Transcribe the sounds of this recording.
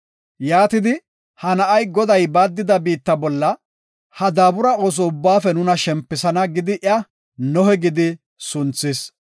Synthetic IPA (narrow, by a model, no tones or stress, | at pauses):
jaːt̪ɪd̪ɪ | hɐnɐʔɐjɡɔd̪ɐjbaːd̪ːɪd̪ɐbiːt̪ːɐbɔlːɐ | hɐd̪aːbʊɾɐo̞ːs̬ɔʊbːaːfɛnʊnɐʃɛmpːɪsɐnɐɡɪd̪ɪʔɐ | nɔhɛɡɪd̪ɪ | sʊnt͡sːɪs